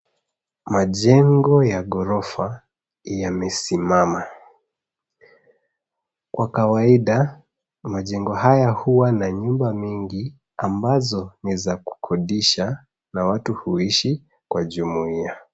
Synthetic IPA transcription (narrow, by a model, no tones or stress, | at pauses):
maʄɛŋɡɔjaɠɔɾɔfa | jamɛsimama | kwakawaiɗa | maʄɛŋɡɔhajahuwanaɲumbamiŋɡi | ambazɔnizaku̥kʰɔɗiʃa | nawatuhuiʃi | kwaʄumuia